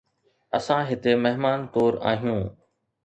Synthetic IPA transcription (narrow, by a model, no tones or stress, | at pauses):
əsãɦɪt̪emɐɦmaːnt̪oːɾa̰ːɦijũː